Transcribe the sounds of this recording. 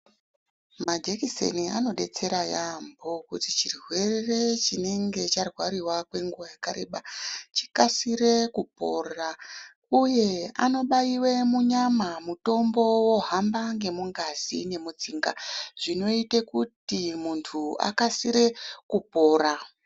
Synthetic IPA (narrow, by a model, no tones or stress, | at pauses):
mad͡ʒekisḛnia̰no̞ɗe̞t͡se̞ɾajambo̞kutit͡ʃirwe̞rre̞t͡ʃine̞ŋɡe̞t͡ʃarwaɾiwakwe̞ŋɡuwajakaɾḛɓat͡ʃi̥kasiɾekupo̞̰ra | uje̞a̰no̞ɓaiwemuɲamamuto̞mbo̞wo̞ɦambaŋɡe̞muŋɡazḭne̞mut͡siːŋɡa̰ʐ̥ino̞itekutimuntʰua̰kasiɾe̞kupo̞ːɾa